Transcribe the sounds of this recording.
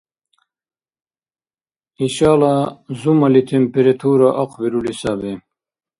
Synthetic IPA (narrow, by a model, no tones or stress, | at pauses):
iʃaːlazumɐlit̪ʰempeɾet̪ʰuːɾaʔɐqviɾulisaːbe